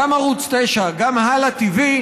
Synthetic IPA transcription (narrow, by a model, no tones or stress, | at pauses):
amaʁut͡st̪ejʃaɡamhalat̪ivi